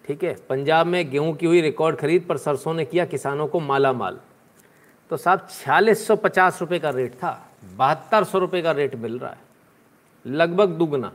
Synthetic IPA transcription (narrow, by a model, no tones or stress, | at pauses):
ʈʰiːkɦɛːpɐ̃ɲd͡ʒaːbmẽɡeũkiɦʊiɾɪkɔːɾɖxɐɾiːd̪̚pɐɾsɐɾsõnekijakɪsaːnõkomaːlama̰ːl | t̪osaːb̚t͡ʃʰaːliːsːɔpɐt͡ʃaːsɾʊpekaɾeːʈt̪ʰa̰ː | bɐɦət̪ːəɾsɔɾʊpekaɾeːʈmɪlɾa̰ɦɛː | lɐɡbʱəɡd̪uːɡna̰ː